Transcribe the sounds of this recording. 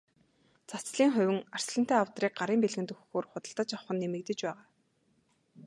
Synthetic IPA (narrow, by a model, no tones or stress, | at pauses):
t͡sat͡sɮiːŋχʊ̟wʲɘ̆ŋar̥sɮə̆n̥t̪eːawt̪riːk̚ɢaɾiːmpeɮɣɘ̆nt̪ɵxxoːrχʊt̪ə̆ɮt̪ə̆t͡ɕawχə̆nːemɘ̆kt̪ɘ̆t͡ɕpæːʁaː